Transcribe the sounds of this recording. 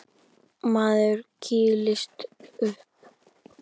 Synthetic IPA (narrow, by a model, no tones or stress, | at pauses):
maːðʏɾcʰiːlɪst̪ʏhp